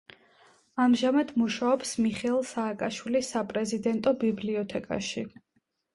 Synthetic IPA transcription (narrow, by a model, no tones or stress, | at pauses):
amʒamad̪̥muʃaɔpsmiχɛlˠsaːkʼaʃwilisːapʼɾɛzid̪ɛnt̪ʼɔbibliɔt̪ʰɛkʼa̰ʃi